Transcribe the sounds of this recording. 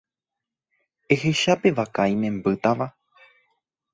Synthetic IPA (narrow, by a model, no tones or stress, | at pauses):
e̞he̞ʃape̞ʋakajmẽmbɨt̪aʋa